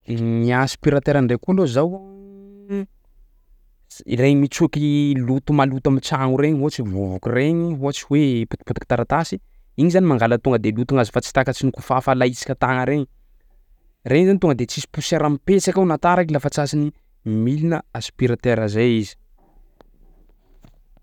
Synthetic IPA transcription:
niaspiɾat̪eɾaɳɖ͡ʐekualozaw | ḭreɲimit͡sukilut̪umalut̪amit͡saŋuɾeɲɦuat͡sivuvukureɲiɦuat͡siwepu̥t̪i̥put̪ikit̪aɾat̪asi̥ | iɲizanimaŋɡalət̪uŋɡəd̪elut̪uŋazifat͡si̥t̪akət͡sinukufafalait͡si̥kʲət̪aŋəɾeɲi | reɲŋizanit̪uŋɡəd̪et͡sisi̥puseɾamipet͡sakawnat̪aɾakilafat͡sasini | milinəaspiɾat̪eɾazejizi̥

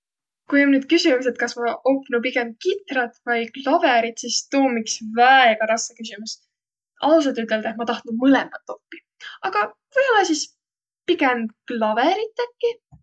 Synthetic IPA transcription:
kujomnyːd̪̥kysimuse̞t̪̚kɑsmɑʔopːnupiɡe̞mkit̪ɾɑt̪vɑjklɑve̞ɾit̪sist̪oːmiksvæeɡ̥ɑɾɑskɑkysimus | ʔɑ̰lus̬ɑlt̪yt̪ːˑe̞ld̪̥ɑet̪mɑt̪ɑht̪numɯlɛmɑt̪ːˑo̞pːi | ɑɡ̥ɑ | vɯjolɑsis | piɡ̥emklɑveɾit̪ːækːi

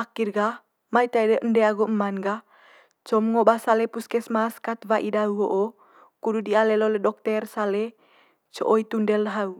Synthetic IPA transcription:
ʔakirɡa | mait̪aidəʔndɛaɡuʔmanɡa | t͡ʃɔmŋɔbasalɛpuskɛsmaskat̪vaʔidauɔʔɔ | kududialɛlolɛdɔk̚t̪ɛrsalɛ | t͡ʃɔ̰ʔoit̪undɛlɦau

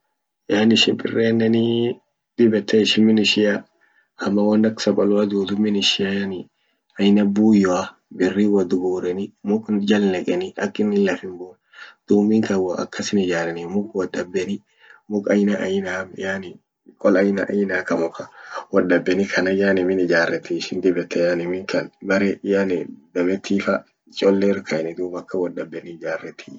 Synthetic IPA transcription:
jaːnɪʃɪmpʼɪ̰rːeːnːɛni | d̪̥ɪbɛt̪ʰːɛɪʃɪmɪnɪʃɪja | ɐmːɐwɐnd̪ɐksɐkʼɔlʊad̪uːd̪ʊmɪnɪʃɪjanɪ | ɐjnɐbuːjɔa | bɪrːiwɐd̪ʊɡuːɾɛnɪmʊkʼd͡ʒɐlnɛkʼɛnɪɐ̰kʼːɪnːɪlɐfɪmboːn | d̪̥uːmɪŋkɐwɐ̰kːɐsɪnɪd͡ʒaːɾɛnɪmʊkʼwɐdɐbːɛnɪ | mʊkʼɐjnɐʔɐjɪnaːmjaːnɪ | kʼɔlɐjnɐʔɐjɪnaːkɐmɔkɐwɐdɐbːɛnɪkʰɐnɐjaːnɪmɪnɪd͡ʒaːrːɛt̪ːiʃɪnd̪ɪbɛt̪ʰːɛjanɪmɪŋkʰɐnbɐɾɛjanɪd̪ɐmɛt̪ʰːiːfɐ | t͡ʃʼɔlːeɾkʰɐɛnɪd̪uːmɐkːɐwɐdɐbːɛnɪd͡ʒaːrːɛt̪ʰːi̥

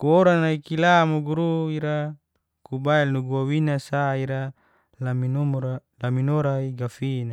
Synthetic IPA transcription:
kuoɾanaikilamuɡuɾuiɾa | kubaɛlnuɡuawinasaiɾa | laminomlaminoɾaiɡafina

